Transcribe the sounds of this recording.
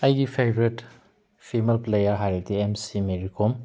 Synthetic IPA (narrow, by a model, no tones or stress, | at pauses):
ajɡipʰebɾet | pʰimelplejaɾɦaɾediemsimeɾikʰom